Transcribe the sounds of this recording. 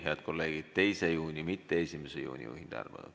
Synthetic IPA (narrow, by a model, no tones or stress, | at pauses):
heɑd̪̚ko̞lːe̞ːɡ̥id̪̥̚t̪e̞jsejuːnʲimit̪ːeesʲimesejṵːnʲḭjṵːhind̪̥ɑ̰rmɑ̰nṵd̪̥